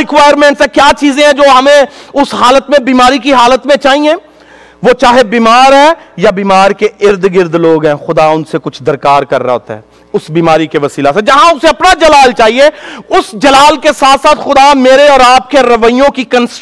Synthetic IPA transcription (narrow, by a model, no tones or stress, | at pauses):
ɪkʋaːjəɾmɛ̃ːɳʈsɛ̃kjaːt͡ʃiːzẽɦɛ̃d͡ʒoːɦɐmẽʊsɦaːlət̪mẽbiːmaːɾik̬iɦaːlət̪mẽt͡ʃaːɦĩɛ̃ː | ʋot͡ʃaːɦebiːmaːɾɦɛːjabiːmaːɾkeɪɾd̪ɡɪɾd̪loːɡɦɛ̃ːxʊd̪aʊnsekʊt͡ʃʰd̪ɐɾkaːɾkɐɾːa̰ɦo̰ːt̪a̰ɦɛː | ʊsbiːmaːɾikeʋɐsiːlased͡ʒɐɦãʊseɐpnad͡ʒɐlaːlt͡ʃaːɦieʊsd͡ʒɐlaːlkesaːt̪ʰsaːt̪ʰxʊd̪ameːɾeɔːɾaːp̚keɾɐʋəijõkikə̃ns